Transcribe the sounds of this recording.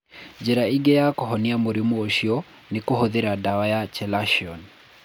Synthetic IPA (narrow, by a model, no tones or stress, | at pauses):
d͡ʒeɾaiɡejakɔɦɔniamoɾimooʃiɔ | nekohoðeɾadawajat͡ʃɛlaʃiɔn